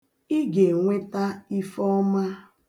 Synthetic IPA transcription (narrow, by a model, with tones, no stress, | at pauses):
i˦ɡe˨ŋʷe˦ta˦i˦fɔ˦ma˦